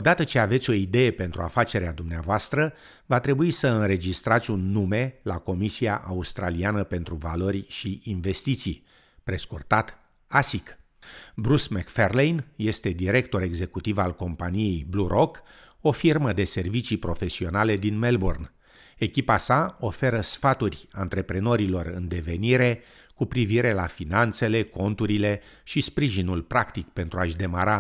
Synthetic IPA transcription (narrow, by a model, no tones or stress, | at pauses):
od̪at̪ət͡ʃe̞ave̞t̪sʲo̞id̪e̞je̞pe̞nt̪ɾuafat͡ʃe̞ɾead̪umneavoast̪ɾə | vat̪ɾe̞buisəɨnɾe̞d͡ʒist̪ɾat̪sʲunːume̞lako̞misiaʔaust̪ɾalianəpe̞nt̪ɾuvalo̞rʲʃiinve̞st̪it̪sij | pɾe̞skurt̪at̪ | asik | bɾusmekferlejnje̞st̪e̞d̪iɾe̞kt̪o̞ɾe̞ɡze̞kut̪ivalko̞mpanije̞jbluɾʔok | o̞firməd̪e̞se̞rvit͡ʃipɾo̞fe̞sio̞nale̞d̪inme̞lborn | e̞kʲipasao̞fe̞ɾəsfat̪urʲant̪ɾe̞pɾe̞no̞ɾilo̞rɨ̰nd̪e̞ve̞niɾe̞ | kupɾiviɾe̞lafinant̪se̞le̞ko̞nt̪uɾile̞ | ʃispɾiʒinulpɾakt̪ikpe̞nt̪ɾuaʃd̪e̞maɾa